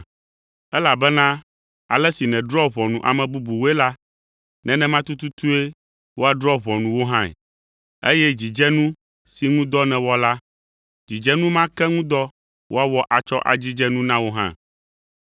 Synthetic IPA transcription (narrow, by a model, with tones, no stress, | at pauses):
ɛ˦la˨bɛ˦nã˦ | a̰˨lɛ˦si˨nɛ̃˨dɾɔ˦βɔ̃˨nũ˨ʔa̰˨mɛ̃˨bu˦bu˨wo˦ɛ˦la˦ | nɛ̃˨nɛ̃˦mã˦t̪u˦t̪u˦t̪u˦e˦ | wo˦a˨dɾɔ˦βɔ̃˨nũ˨wo˦ɦã˦ɛ̰˨ | ḛ˦jɛ˦d͡ʑi˨d͡ʒɛ˦nũ˦ | si˨ŋũ˦d̪ɔ˦nɛ̃˨wɔ˦la˦ | d͡ʑi˨d͡ʒɛ˦nũ˦mã˦kɛ˦ŋũ˦d̪ɔ˦ | wo˦a˦wɔ˦ʔa˨t͡ʃɔ˦ʔa̰˨d͡ʑi˦d͡ʒɛ˦nũ˦nã˦wo˦ɦã̰˦